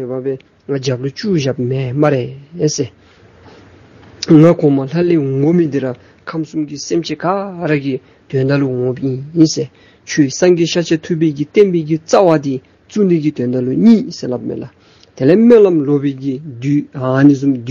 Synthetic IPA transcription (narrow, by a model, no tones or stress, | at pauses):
øpapɛː | ŋad͡ʑalot͡ɕuɕamemaɾese | ŋakʰɔŋmalaleːŋomid̪eɾa | kʰamsumkisemt͡ɕʰekaɾaki | t̪ønd̪aloŋopjijise | t͡ɕʰøːsamɡiɕat͡ɕʰet̪ʰup̬ːeːkit̪enpeːkit͡sawat̪i | t͡sund̪iʔkit̪ønd̪aloɲiːselap̚mḛla | t̪elemeʔlamlopeːkid̪yanis̬umd̪